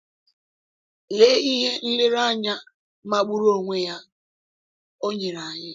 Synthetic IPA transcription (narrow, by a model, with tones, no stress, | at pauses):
le˦i˦ɦe˦n̩˦lɪ˦ɾa˦˨ɲa˦ | ma˦ɡ͡bu˦ɾo˦ŋʷe˦ja˦ | o˦ɲe˨ɾa˨ɲɪ˦